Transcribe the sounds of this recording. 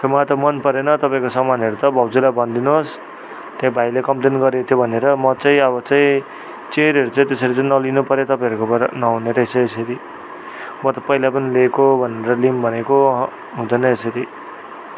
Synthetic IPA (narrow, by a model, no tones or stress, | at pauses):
kʰomat̪ʌmʌnpʌɾenʌt̪ʌpãĩkosʌmanɦʌɾut̪ʌbʱʌbd͡zulabʌnd̪inuos | t̪jaĩbʱajlekʌmplenɡʌɾet̪ʰjobʱʌneɾʌmʌt͡saĩʌβʌt͡saĩ | t͡seɾʌɾut͡sʌĩt̪esʌɾit͡saĩnʌlinupʌɾjet̪ʌpãʌɾukopʌnʌɦuneɾʌesʌesʌɾi | mʌt̪ʌpʌɦilapʌnilekobʱʌneɾʌlimbʱʌneko | ɦũd̪ʌnʌesʌɾi